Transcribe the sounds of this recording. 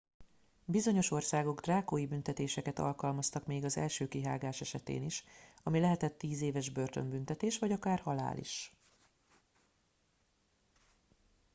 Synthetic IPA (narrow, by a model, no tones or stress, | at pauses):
bizo̞ɲoʃo̞rsaːɡo̞ɡd̪raːkoːjibynt̪ɛt̪eːʃɛkɛt̪ɒ̰lkɒlmɒst̪ɒkmeːɡɒzɛ̰lʃøːkiɦa̰ːɡaːʃɛʃɛt̪ḛːniʃɒmilɛɦɛt̪ɛt̪ːiːzeːvɛʒbø̞rt̪ø̞̰mbyn̪t̪ɛt̪eːʃvɒɟɒkaːrhɒla̰ːlḭʃ